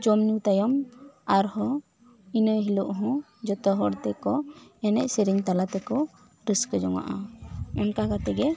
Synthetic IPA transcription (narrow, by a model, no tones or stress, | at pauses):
d͡ʒɔmniwt̪ajɔmaɾhɔ | inəɦiluʔɦɔ̃ | d͡ʒɔt̪ɔɦɔɽt̪ɛkɔɛnɛʔ̚siɾiɲt̪alat̪ɛkɔ | ɾəskəd͡ʒɔŋa̰ʔaɔnkakat̪ɛɡɛ